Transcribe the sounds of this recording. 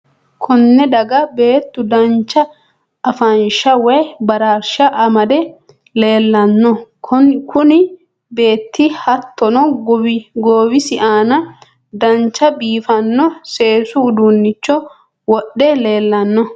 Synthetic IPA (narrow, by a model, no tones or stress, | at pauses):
kʰɔnːɛd̪ɐɡɐbe̞ːt̪ːʊd̪ɐnt͡ʃːɐː | fɐnʃɐwɛjbɐɾaːɾʃɐʔɐmɐd̪ɛ | le̞ːlːɐnːɔ | kʊnɪ | be̞ːt̪ʰːɪhɐt̪ʰːɔnɔ | ɡoːwɪsɪʔaːnɐ | d̪ɐnt͡ʃːɐbiːfɐnːɔse̞ːsʊːd̪unːɪt͡ʃːɔ | wɔɗːɛle̞ːlːɐnːɔ